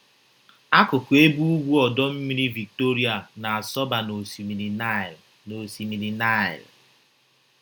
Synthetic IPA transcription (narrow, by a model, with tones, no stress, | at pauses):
a˦kʊ˨kʊ˨e˦bu˦u˦ɡʷu˦ɔ˨dɔ˦m̩˦mi˦ɾi˦vi˨k̚to˦ɾi˦a˨na˨a˨sɔ˦ba˨no˨˦ | no˨si˨mi˨ɾi˨na˦˨ɪ̰˨l